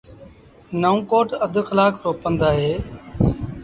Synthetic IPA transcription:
nəũːkoːʈəd̪ʱxəlaːkɾoːpənd̪aːɦeː

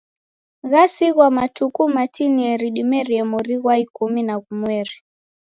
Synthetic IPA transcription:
ɣasiɣwamatukumatiniɛɾiɗimɛɾiɛmɔɾiɣwaikuminaɣumwɛɾi

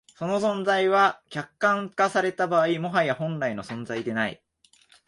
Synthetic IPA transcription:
so̞no̞sõ̞nzaiβakʲakːãŋkasaɾe̞t̪abaːimo̞ɦajahõ̞nɾaino̞sõ̞nzaid̪e̞naḭ

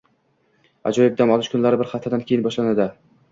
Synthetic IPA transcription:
a̰d͡ʒɒjɪb̚d̪anɒlˠɪʃkʰʊnlaɾɪbɪɾχat̪ʰːɪd̪ankʲʰeɪnbɒʃlanad̪ɪ

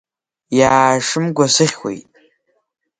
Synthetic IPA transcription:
jaːʂɨmɡʷasɨχʲxʷḛjtʼ

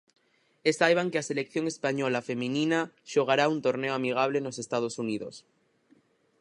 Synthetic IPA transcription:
esajβ̞aŋkease̞lek̚θjo̞ŋe̞spaɲo̞lafe̞mĩnĩnaʃoɣ̞aɾaunt̪o̞ɾne̞oamiɣ̞aβ̞leno̞se̞st̪að̞o̞suniðo̞̰s

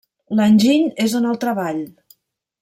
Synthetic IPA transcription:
lanʲʒiɲezonəlˠt̪ɾəβaʎ

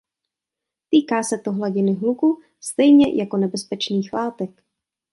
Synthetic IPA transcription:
t̪iːkaːsɛt̪o̞ɦlaɟɪnɪɦluku | st̪ɛjɲɛ̰jʔako̞nɛbɛspɛt͡ʃniːxlaːt̪ɛk

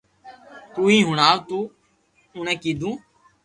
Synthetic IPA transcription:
t̪uːĩːɦʊɳaːʋt̪uː | ʊɳẽːkiːd̪ʱũː

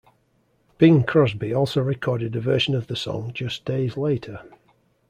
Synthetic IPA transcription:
b̥ɪ̃ŋkʰɹ̥ɒsbiɔˑlˠsoʊɹɪkʰɔːɾɪdəvɜˑʃə̃nəvðəsɒ̰̃ŋd͡ʒʌsd̥eɪzleɪtʰə

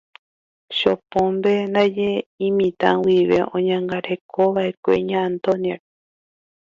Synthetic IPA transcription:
ʃopõmbenajeĩmĩt̪ã̰wiβḛʔõɲãŋɡaɾekʰoβaʔekʷḛɲãːnt̪onjaɾ

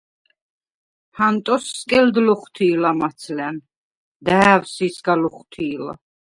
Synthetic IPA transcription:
hant̪ʼɔsːkʼɛld̪lɔχt̪ʰiːlamat̪sʰlɛn | d̪æːvsisɡalɔχt̪ʰiːla̰

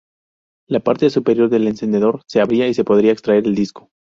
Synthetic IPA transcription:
lapaɾt̪e̞supe̞ɾjo̞ɾðe̞le̞nse̞nd̪e̞ðo̞ɾse̞aβɾiaise̞po̞ðɾiaekst̪ɾae̞ɾe̞ld̪isko̞̥

